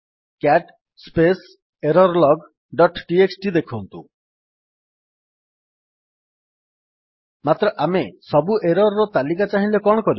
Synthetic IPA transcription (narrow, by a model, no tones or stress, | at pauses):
kaʈ | spes | eɾɔɾlɔɡ | ɖɔʈʈieksʈid̪ekʰuɦunt̪ṵ̃ | mat̪ɾɔʔamesɔbuʔeɾɔɾɾɔt̪alikat͡ʃaɦĩlekɔɽ̃ɔkɔɾi